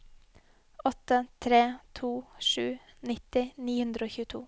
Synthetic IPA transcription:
ɔt̪ət̪ʰɾeːt̪ʰuːʃʉː | nɪt̪ɪniːhʉnd̪ɾəoːçʉːt̪ʰṵː

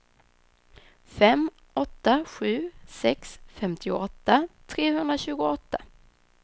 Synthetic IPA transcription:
fɛm | ɔt̪ːaɧʉ̟ːsɛksfɛmt̪ʰɪʊ̰ɔt̪ːat̪ʰɾeːɦɵnd̪ɾaɕʉ̟ːɡʊɔt̪ːa

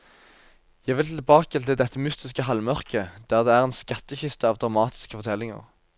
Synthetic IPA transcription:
jæʋɪlt̪ʰɪlbɑːkət̪ʰɪld̪ɛt̪ːəmʉst̪ɪskəɦɑlmœʁkəd̪̥æːʁd̪eːæːʁɛːnskɑt̪ːəçɪst̪əɑːʋd̪ʁɑmɑːt̪ʰɪ̥skə̥fɔʁt̪ʰɛlːɪŋə̰ʁ

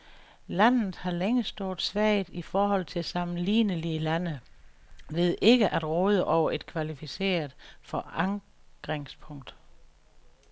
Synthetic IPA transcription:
læn̰ð̩ˠhɑ̈leŋəsd̥oɐːd̥ˠsʋæɪðˠifɒːhɒ̽l̰t͡sʰe̝lsɑ̈mn̩lḭːnəliəlænə | ʋe̝ð̞ˠʔe̝ɡ̥əʔæd̥ʁɔːð̞ˠəʔɒʊ̰ɐʔe̝d̥̚kʰʋælifise̝̰ːɐð̩ˠfɒ̽ɑ̈ŋ | ɡ̥ʁeŋspʰɔ̽ŋ̰d̥

